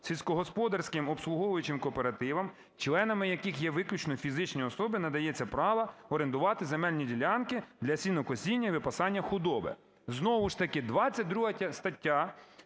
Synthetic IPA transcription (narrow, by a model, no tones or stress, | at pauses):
sʲilʲsʲkɔɦɔspɔd̪ɐrsʲkɪmɔpslˠʊɦɔʋʊjʊt͡ʃɪmkɔːpeɾɐt̪ɪʋɐm | t͡ʃlˠɛnɐmɪjɐkɪxjɛʋɪklʲut͡ʃnɔfʲizɪt͡ʃnʲiɔsɔbɪnɐd̪ɐjɛt͡sʲːɐpɾɑʋɐɔɾent̪ʊʋɑt̪ɪzemɛlʲnʲidʲilʲɑnkɪd̪lʲɐsʲinɔkɔsʲinʲːɐiʋɪpɐsɑnʲːɐxʊd̪ɔbɪ̰ | znɔʋʊʃt̪ɐkɪd̪ʋɑt͡sʲːɐt̚ʲd̪ɾuɦɐtʲɐst̪ɐtʲːa